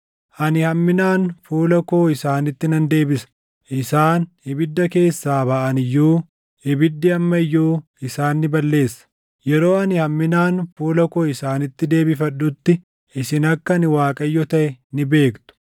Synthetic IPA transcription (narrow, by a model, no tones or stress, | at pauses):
ʔɐnɪhɐmːɪnaːnfuːlɐko̞ːɪsaːnɪt̪ːɪnɐnd̪e̞ːbɪsɐ̥ | ʔɪsaːnhɪbɪd̪ːɐke̞ːsːaːbɐʔɐnɪjːuː | hɪbɪd̪ːɪɐmːɐɪjːuː | ɪsaːnːɪbɐlːe̞ːsːɐ̥ | jɛɾo̞ːɐnɪhɐmːɪnaːnfuːlɐkoːɪsaːnɪt̪ːɪd̪e̞ːbɪfɐɗʊt̪ːɪ | ɪsɪnɐkːɐnɪwaːkʼɐjːɔt̪ɐʔɛnɪbe̞ːkt̪ʊ̥